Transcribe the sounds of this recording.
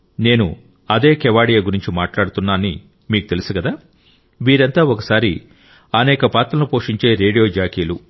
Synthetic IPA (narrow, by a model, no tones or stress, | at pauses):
ne̞ːnu | ɐd̪e̞ːkɛʋaːɽijaɡuɾiɲt͡ʃimaːʈlaːɽut̪unːaːnḭ | miːkut̪e̞lusuɡɐd̪aː | ʋiːɾɐnt̪aːɔkɐsaːɾi | ɐnɛːkɐpaːt̪ɾɐnupo̞ːʂiɲt͡ʃe̞ːɾe̞ːɖijo̞ːd͡ʒaːkiːlu